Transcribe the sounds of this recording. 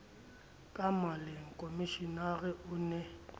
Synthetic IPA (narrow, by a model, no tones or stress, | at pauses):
kʼamaleŋ̩kʼomiʃinaɣɪʊːnɛ